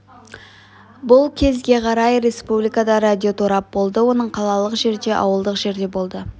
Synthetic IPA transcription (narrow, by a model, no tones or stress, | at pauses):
bʊlˠkʲʰe̞zɡʲe̞qʰɑɾɑjɾe̞spublijkad̪ɑɾad̪ʲio̞t̪ʰuɾɑp̚bo̞lˠd̪əwo̞nəɴqʰɑlˠɑlˠəqʒe̞ɾd̪e̞ʔɑ̰wəlˠd̪əqʒe̞ɾd̪e̞bo̞lˠd̪ə